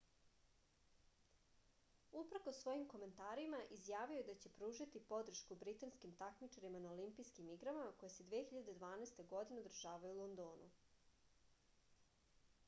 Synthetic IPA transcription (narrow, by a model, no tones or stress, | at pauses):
upɾkosʋo̞jimko̞me̞nt̪aːɾimaʔizjaːʋiojed̪at͡ɕe̞pɾuːʒat̪ipo̞d̪r̩ʃkubɾit̪anskimt̪akmit͡ʂaɾimanaolimpijskimiɡɾamamako̞jese̞d̪ʋexiʎad̪e̞d̪ʋaːnaest̪e̞ɡo̞d̪ineod̪ɾ̩r̩ʒaːʋajulˠond̪oːnṵ